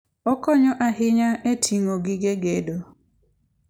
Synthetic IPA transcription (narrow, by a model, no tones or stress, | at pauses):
ɔkɔɲɔʔaɦɪɲaʔetʰiŋoɡɪɡeɡedo